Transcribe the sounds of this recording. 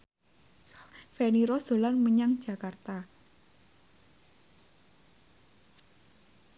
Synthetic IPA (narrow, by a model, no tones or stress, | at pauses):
fɛniɾɔsd̥o̤lanməɲaŋd̥ʒ̥a̤kart̪a